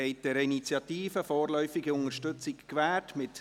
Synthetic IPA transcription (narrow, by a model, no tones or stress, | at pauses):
ɛɪt̚d̥ɛɾinit͡sjɑt̪iːfəfɔːrlœʏfɪɡəʊŋəʃtʏt͡sɪkkʋæːtmɪt